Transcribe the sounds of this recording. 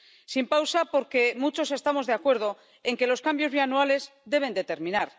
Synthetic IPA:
simpawsapo̞ɾke̞mut͡ʃo̞se̞st̪amo̞zðe̞akwe̞ɾðo̞ | e̞ŋke̞lo̞skambjo̞zβianuale̞zd̪e̞β̞e̞nd̪et̪e̞ɾmĩnaɾ

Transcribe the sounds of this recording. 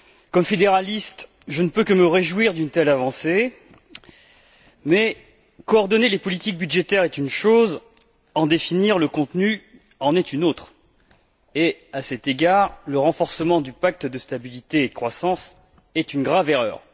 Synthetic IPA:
kɔmfed̪eʁalist̪ | ʒənəpøkəməʁeʒwiʁd̪ynt̪ɛlavɑ̃se | mɛ | kɔːʁd̪ɔnelepɔlit̪ik̚byd̪ʒet̪ɛʁɛt̪ynʃoz | ɑ̃d̪efiniʁləkɔ̃t̪ny | ɑ̃nɛt̪ynot̪χ | easɛt̪eɡaʁləʁɑ̃fɔʁsəmɑ̃d̪ypak̚t̪d̪əst̪abilit̪eːəkχwasɑ̃s | ɛt̪ynɡʁaveʁœ̰ːʁ

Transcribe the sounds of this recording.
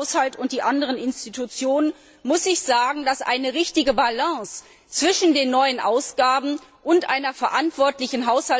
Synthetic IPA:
shaltʊnt̚d̥iːʔandəʁ̞ənɪnstitʰut͡sjoːnən | mʊsɪçz̥aːɡŋ̩dasʔa̰ɪnəʁɪçtɪɡəbalãːs | t͡sv̥ɪʃn̩deːnːɔʏənʔaʊsɡ̥aːbm̩ʔʊntʔa̰ɪnɐfɛɐʔantv̥ɔɐtlɪçn̩ɦaʊsha

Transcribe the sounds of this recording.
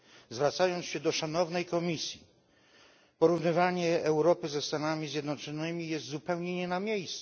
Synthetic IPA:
zvɾat̪sajɔnt̪sɕɛd̪ɔʂanɔvnɛjkɔmʲisʲji | pɔɾuvnɘvaɲɛːwɾɔpɘzɛst̪anamʲizʲjɛd̪nɔt͡ʂɔnɘmʲijɛst̪zupɛwɲɛɲɛnamʲjejst̪

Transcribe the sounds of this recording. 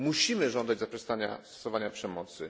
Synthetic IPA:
muɕimɘʐɔnd̪ad͡ʑzapʂɛst̪aɲa̰stt̪ɔ̥sɔvaɲapʂɛmɔt̪sɘ

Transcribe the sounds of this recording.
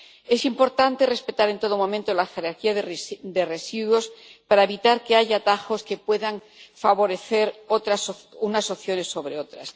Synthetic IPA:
e̞simpo̞ɾt̪ant̪e̞re̞spe̞t̪aɾe̞nt̪o̞ðomõ̞mẽnt̪o̞laxe̞ɾaɾkiaðd̪e̞re̞siðwo̞spaɾaeβit̪aɾke̞aʝaːt̪axo̞ske̞pwe̞ðaŋ | faβo̞ɾe̞θe̞ɾot̪ɾasunaso̞θjo̞ne̞sːo̞βɾe̞o̞t̪ɾas

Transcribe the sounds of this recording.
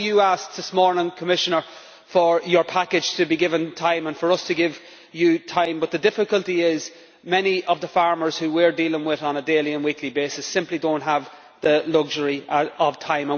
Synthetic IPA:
jəaskðɪsmɔɹnɪ̃ŋkʰəmɪʃənə˞ | fə˞jə˞pʰakɪd̥ʒ̥tʰəbiɡɪvə̃ntʰãɪ̃mə̃nfə˞ʌstʰəɡɪv | jətʰãɪ̃mbʌt̪̚ðədɪfɪkəlˠtiɪz | mɛniʔʌvðəfaɹmə˞z̥hʉwiɹdiːlˠɪ̃ŋwɪðn̩ədeːlˠiə̃nwiklibeːsɨsɪ̃mplidõʊ̃nʔɦəv | ðəlʌɡʒəɹiəəv̥tʰãɪ̃mə̃

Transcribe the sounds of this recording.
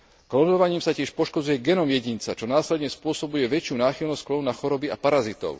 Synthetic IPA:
klɔnd̪ɔʋaɲiːmsacɪɛʃpɔʃkɔd͡zujɛɡɛnɔmjɛɟint͡sat͡ʃɔnaːslɛd̪ɲɛspʊɔsɔbujɛʋɛt͡ʃɪunaːxilnɔsklɔʊnaxɔɾɔbia̰paɾazit̪ɔ̰ʊ

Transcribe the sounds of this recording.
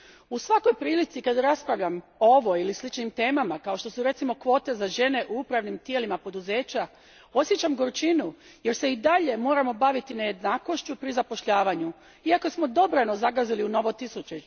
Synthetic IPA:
usʋako̞jpɾiːlit̪sikad̪ɾaspɾaʋʎamooʋo̞ilislit͡ʃnimt̪e̞ːmamakaoʃt̪o̞suɾe̞t̪simo̞kʋo̞ːt̪e̞zaʒe̞ne̞ʔuupɾaʋnimt̪jelimapo̞d̪uze̞ːt͡ɕa | o̞sje̞t͡ɕamɡoɾt͡ʃinu | je̞ɾse̞id̪aʎe̞mo̞ːɾamo̞baʋit̪ineje̞d̪naːko̞ʃt͡ʃupɾizapo̞ʃʎaːʋaɲu | iako̞smo̞d̪o̞bɾano̞zaɡaziliuno̞ʋo̞t̪isut͡ʃe

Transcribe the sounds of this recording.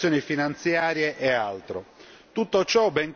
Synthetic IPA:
jɔːnifinant̪sjaːɾjeʔɛalt̪ɾo | t̪ut̪ːot͡ʃɔbɛŋ

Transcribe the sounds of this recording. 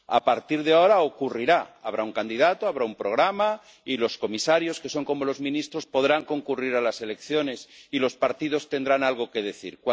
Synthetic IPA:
a̰paɾt̪iɾðeao̞ɾao̞kuriɾaaβ̞ɾauŋkand̪iðat̪oaβɾaumpɾo̞ɣ̞ɾama | ilo̞sko̞misaɾjo̞ske̞so̞ŋko̞mo̞lo̞zmĩnist̪ɾo̞spo̞ðɾaŋko̞ŋkuriɾalase̞le̞kθjo̞ne̞silo̞spaɾt̪ið̞o̞st̪e̞nd̪ɾanalɣ̞o̞ke̞ð̞e̞θḭɾkw

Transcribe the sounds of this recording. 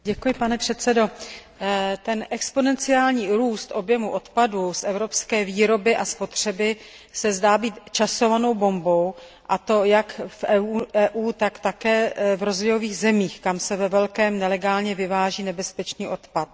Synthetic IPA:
ɟɛkujɪpanɛpr̝̥ɛt̪sɛdo̞ | t̪ɛnʔɛkspo̞nɛnt͡sɪaːlɲiːɾuːst̪ʔo̞bjɛmuʔo̞t̪padusʔɛvɾo̞pskɛːviːɾo̞bɪʔaspo̞t̪r̝̥ɛbɪ | sɛzdaːbiːt̪t͡ʃaso̞vano̞wbo̞mbo̞w | ʔat̪o̞jakfʔɛɛːʔuːt̪akt̪akɛːvɾo̞zvojo̞viːɣzɛmiːxkamsɛvɛvɛlkɛːmnɛlɛɡaːlɲɛvɪvaːʒiːnɛbɛspɛt͡ʃniːʔo̞t̪pat̪̚

